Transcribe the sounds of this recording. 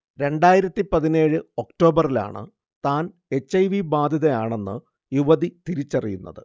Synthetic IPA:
ɾe̞ɳɖaːjiɾɐt̪ːipɐðine̞ːɻɨo̞kʈo̞ːbɐrila̰ːɳɨ̰ | t̪aːn | e̞t͡ɕːɐjʋibaːd̪ʱjiðɐjaːɳe̞nːɨ | juʋɐðit̪iɾit͡ɕːɐrijunːɐ̰ðɨ

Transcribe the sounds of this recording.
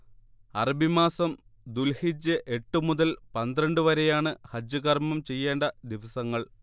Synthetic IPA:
ɐrɐbimaːsɐmd̪ulhid͡ʑɨʔe̞ʈːɨmuðɐlpɐnd̪rɐɳɖɨʋɐɾejaːɳɨhɐd͡ʑːuɣɐrmɐmt͡ɕe̞jːe̞ːɳɖɐd̪iʋɐsɐŋːɐɭ

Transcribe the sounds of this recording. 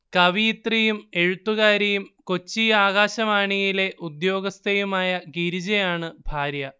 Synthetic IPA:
kɐʋit̪rijume̞ɻut̪ːuɣaːɾɐjumko̞t͡ɕːijaːɣaːɕɐmaːɳijile̞ʔud̪jo̞ːɡɐst̪ʰɐjumaːjɐɡiɾid͡ʑɐjaːɳɨbʱaːɾjɐ

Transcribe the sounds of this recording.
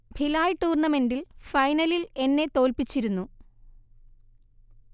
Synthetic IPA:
bʱilaːjʈːuːrɳɐme̞ndilfɐjnɐlile̞nːe̞t̪o̞ːlpit͡ɕːiɾunːu

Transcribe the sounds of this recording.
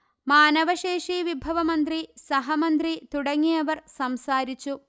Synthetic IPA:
maːnɐʋɐʃeːʂiːʋibʱɐʋɐmɐnd̪risɐɦɐmɐnd̪ɾit̪uɽɐŋːijɐʋɐɾsɐmsaːɾit͡ɕːu

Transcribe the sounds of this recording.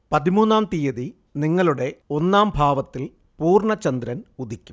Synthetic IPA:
pɐðimuːnːaːmt̪ijɐði | niŋːɐɭuɽe̞o̞nːaːmbʱaːʋɐt̪ːil | puːrɳɐt͡ɕːɐnd̪ɾɐnud̪ʱikʲːu̥m

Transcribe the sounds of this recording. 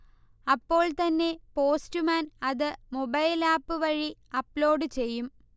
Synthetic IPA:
ɐpːo̞ːɭt̪ɐnːe̞po̞ːstɨmaːnɐðɨmo̞bɐjlaːpːɨʋɐɻiɐpːlo̞ːɖɨt͡ɕe̞jːum

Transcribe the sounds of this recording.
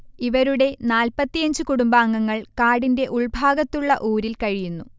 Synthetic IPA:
iʋɐɾuɽe̞naːlpɐt̪ːijɐɲd͡ʑɨkuɽumbaːŋːɐŋːɐɭkaːɽinde̞ʔuɭbʱaːɡɐt̪ːuɭːɐʔuːɾilkɐɻijunːu

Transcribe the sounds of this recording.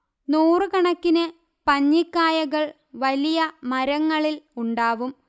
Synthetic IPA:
nuːrɨkɐɳɐkːinɨ | pɐɲːikːaːjɐɣɐɭ | ʋɐlijɐmɐɾɐŋːɐɭiluɳɖaːʋum

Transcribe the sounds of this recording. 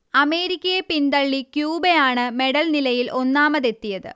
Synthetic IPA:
ɐme̞ːɾikʲːɐjepind̪ɐɭːikjuːbejaːɳɨme̞ɽɐlnilɐjilʔo̞nːaːmɐðe̞t̪ːijɐðɨ̰

